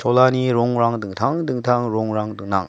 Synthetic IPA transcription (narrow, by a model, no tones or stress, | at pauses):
t͡ɕolaniɾoŋɾaŋdɯŋtʰaŋdɯŋtʰaŋɾoŋɾaŋdɯŋna̰ŋ